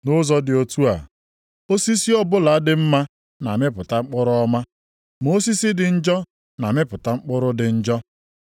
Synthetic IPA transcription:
nʊ˦zɔ˦dɪ˨o˨tu˦a̰˨ | o˦si˦si˦ɔ˦bʊ˦la˨a˦dɪ˨m̩˦ma˦ | na˨me˦pʊ˨ta˦ŋ͡m̩˦k͡pʊ˦ɾʊ˦ɔ˦ma˦ | mo˦si˦si˦dɪ˨n̩˦d͡ʒɔ˦ | na˨me˦pʊ˨ta˦ŋ͡m̩˦k͡pʊ˦ɾʊ˦dɪ˨n̩˦d͡ʒɔ˦

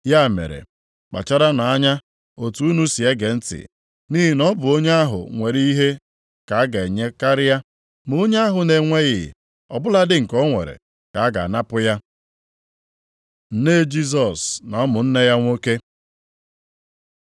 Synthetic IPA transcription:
ja˦˨mḛ˨ɾḛ˨ | k͡pa̰˨t͡ʃa˦ɾa˦na˨a˦ɲa˦ | o˨tu˦u˦nu˦si˨e˦ɡe˨n̩˦tɪ̰˨ | ni˦ɦi˨nɔ˦bʊ˨o˦ɲe˦a˦ɦʊ̰˨ŋʷe˨ɾi˦i˦ɦe˦ | ka˨a˦ɡa˨e˨ɲe˦ka˦ɾɪ˦ja˦ | m˨o˦ɲe˦a˦ɦʊ˨ne˨ŋʷe˦ɣɪ̰˨ | ɔ̰˨bʊ˦la˦dɪ˦ŋ̩˨kɔ˦ŋʷḛ˨ɾḛ˨ | ka˨a˦ɡa̰˨a˨na˦pʊ˦ja˦ | n̩˦ne˦d͡ʒi˦s̬ɔ˨snɔ˦mʊ˨n̩˦ne˦ja˦ŋʷo˦ke˦

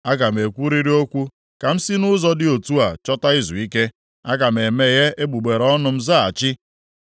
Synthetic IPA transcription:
a˦ɡa˨m̩e˨kʷu˦ɾi˦ɾi˦o˦kʷu˦ | ka˨m̩˦si˦nʊ˦zɔ˦dɪ˦o˨tu˦a˨t͡ʃɔ˦ta˦i˦zṵ˨i˦ke˦ | a˦ɡa˨m̩˨e˨me˨je˦e˦ɡ͡bu˨ɡ͡be˨ɾɔ˦nʊ˨m̩˦za˦a˨t͡ʃɪ˦

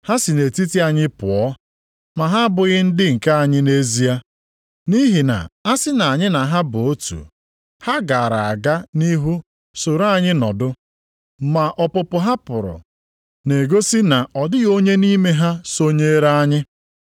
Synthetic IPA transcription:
ha˦si˨ne˨ti˦ti˦a˨ɲɪ˦pʊ̰˨ɔ˦ | ma˨ɦa˦bʊ˨ɣɪ˦n̩˦dɪ˦ŋ̩˨ka˦a˨ɲɪ˦ne˦zi˦a˦ | ni˦ɦi˨na̰˨a˦sɪ˦na˨a˨ɲɪ˦na˨ɦa˦bʊ˨o˦tṵ˨ | ha˦ɡa˨ɾa˨a˨ɡa˦ni˦ɦu˦ | so˨ɾa˦˨ɲɪ˦nɔ˨dʊ˦ | ma˨ʔɔ˨pʊ˨pʊ˨ɦa˦pʊ˨ɾʊ̰˨ | ne˨ɡo˦si˦na˨ʔɔ˨dɪ˦ɣo˦ɲe˦ni˦me˦ɦa˦so˦ɲe˦ɾa˦a˦ɲɪ˦

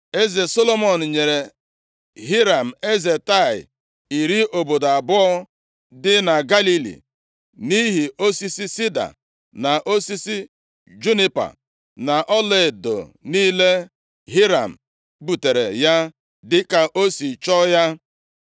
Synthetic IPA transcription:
e˦ze˨so˦lo˦mɔ˨n̩˨ɲe˨ɾe˨ | ɦi˦ɾa˨m̩˨e˦ze˨ta˦˨ɪ̰˨ | i˨ɾi˦ʔo˨bo˨da˨bʊ˦ɔ˦ | dɪ˦na˨ɡa˦li˦lḭ˨ | ni˦ɦi˨o˦si˦si˦si˦da̰˨ | na˨ʔo˦si˦si˦ | d͡ʒu˦ni˦pa̰˨ | na˨ʔɔ˦le˨do̰˨niː˦le˦ | ɦi˦ɾa˨m̩˨ | bu˨te˨ɾe˨ja˦ | dɪ˦ka˨ʔo˦si˨t͡ʃɔ˦ja˦

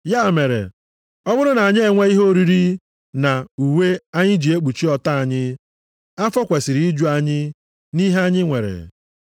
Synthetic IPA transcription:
ja˦˨me˨ɾḛ˨ | ɔ˦bʊ˦ɾʊ˦na˨a˨ɲɪ˦e˨ŋʷe˦i˦ɦo˦ɾi˦ɾi˦ | na˨u˨we˦a˦ɲɪ˦d͡ʒi˨e˦k͡pu˨t͡ʃi˦ɔ˨ta˦a˨ɲɪ˦ | a˦fɔ˦kʷe˨sɪ˨ɾi˨˦i˦d͡ʒu˦a˦ɲɪ˦ | ni˦ɦe˦a˦ɲɪ˦ŋʷe˨ɾḛ˨

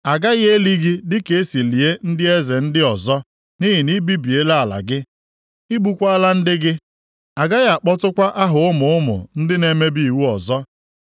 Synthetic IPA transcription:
a˨ɡa˦ɣe˦li˦ɡi˦dɪ˦ke˨˦si˨li˨e˦n̩˦dɪ˦e˦ze˨n̩˦dɪ˦ɔ˨zɔ˦ | ni˦ɦi˨ni˦bi˦bi˨e˦la˦a˨la̰˨ɡɪ˦ | i˦ɡ͡bu˦kʷa˦a˦la˦n̩˦dɪ˦ɡɪ˦ | a˨ɡa˦ɣa˨k͡pɔ˦tʊ˦kʷa˦ʔa˦ɦʊ˨ʊ˦mʊ˨ʊ˦mʊ̰˨n̩˦dɪ˦ne˦me˦bi˦˨i˨wu˦ɔ˨zɔ˦

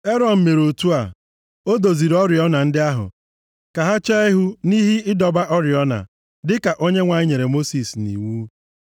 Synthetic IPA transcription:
e˦ɾɔ˨n̩˨me˨ɾo˨tu˦a˨ | o˦do˨zi˨ɾɔ˦ɾɪ˨ɔ˦na˨n̩˦dɪ˦a˦ɦʊ̰˨ | ka˨ɦa˦t͡ʃa˦i˦ɦu˦ni˦ɦɪ˦ɪ˦dɔ˨ba˦ʔɔ˦ɾɪ˨ɔ˦na̰˨ | dɪ˦ka˨ʔo˦ɲe˦ŋʷa˨ɲɪ˦ɲe˨ɾe˨mo˦si˨snḭ˨wu˦

